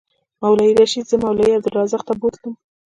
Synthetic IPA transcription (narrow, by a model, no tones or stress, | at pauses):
mawlaiɾaʃid̪zəmawlaiabd̪ʊlɾɑzəxt̪abolt̪əm